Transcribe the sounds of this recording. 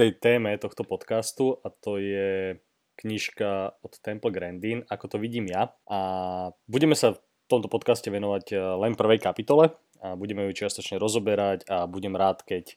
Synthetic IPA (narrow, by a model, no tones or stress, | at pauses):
t̪ɛjt̪ɛːmɛt̪ɔxt̪ɔpɔt̪kast̪uʔat̪ɔjɛ | kɲiʃkaɔt̪ːɛmpl̩ɡɾɛnd̪inakɔt̪ɔʋiɟiːmjaʔabuɟɛmɛsaf | t̪ɔmt̪ɔpɔt̪kascɛʋɛnɔʋaɟlɛnpr̩ʋɛjkapit̪ɔlɛ | abuɟɛmɛjut͡ʃɪast̪ɔt͡ʃɲɛɾɔzɔbɛɾacabuɟɛmɾaːt̪kɛc